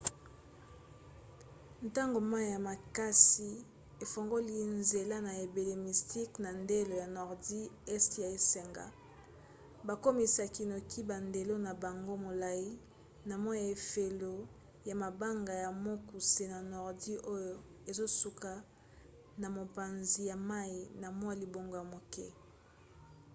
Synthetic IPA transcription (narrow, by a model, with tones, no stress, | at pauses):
n˨ta˦ŋɡo˨ma˦i˨ja˨ma˨ka˦si˨ | e˨fo˨ŋɡo˦li˦nze˨la˦na˨e˨be˨le˨mi˨sti˦kna˨nde˦lo˨ja˨nɔ˨ʁdi˦ɛ˦stja˨e˦sɛ˨ŋɡa̰˨ | ba˨ko˦mi˨sa˨ki˨no˨kʰi˦ba˨nde˨lo˦na˨ba˨ŋɡo˦mo˨la˨i˦ | na˨mɔ˦a˨e˨fe˨lo˨ | ja˨ma˨ba˦ŋɡa˨ja˨mo˦ku˨se˨na˨nɔ˨ʁdi˦ʔo˦jo˦ | e˨zo˦su˨ka˨ | na˨mo˨pa˨nzi˨ja˨ma˦i˨na˨mwa˦˨li˨bo˨ŋɡo˨ja˨mo˨kɛ˦